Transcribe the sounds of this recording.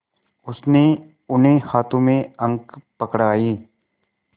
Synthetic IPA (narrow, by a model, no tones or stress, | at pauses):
ʊsne | ʊnɦẽhaːt̪õmẽɐ̃ŋɡpɐkɽaːiː